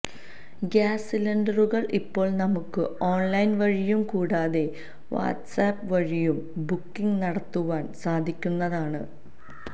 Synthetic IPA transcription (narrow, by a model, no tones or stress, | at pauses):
ɡaːsilɐɳɖɐruɣɐɭʔipːo̞ːɭnɐmukːɨo̞ːnlɐjnʋɐɻijumkuːɽaːðe̞ | ʋa̰ːʈsaːpːʋɐɻijumbukːiŋnɐɽɐt̪ːuʋaːnsaːd̪ʱikʲːunːɐðaːɳɨ̰